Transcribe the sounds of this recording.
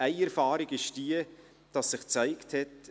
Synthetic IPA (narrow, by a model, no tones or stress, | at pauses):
æɪɛɾfɑːɾɪɡɪʃd̥iːə | d̥ɑsːɪχt͡saɪkthɛt